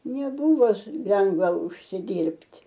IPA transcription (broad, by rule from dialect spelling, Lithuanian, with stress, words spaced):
nʲɛˈbʊʋoː s ˈlʲɛŋɡʋɐ ʊʃʲsʲɪˈdʲiːrʲpʲtʲ